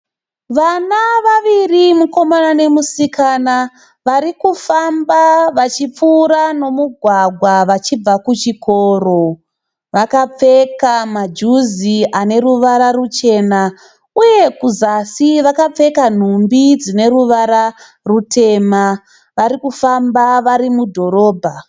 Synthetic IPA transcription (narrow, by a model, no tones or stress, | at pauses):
ʋanaʋaʋirimuko̞manane̞musikana | ʋaɾikufambaʋat͡ʃip͡fuːɾano̞muɡʱwaɡʱwaʋat͡ʃib͡vakut͡ʃikʰo̞ːro̞ | ʋakap͡fe̞kamad͡ʒuziane̞ruʋaɾarut͡ʃe̞ːna | uje̞kuzasiʋakap͡fe̞kan̤umbid͡zine̞ruʋaɾa | rutʰe̞ːma | ʋaɾikufambaʋaɾimudʱo̞ɾo̞ːbʱa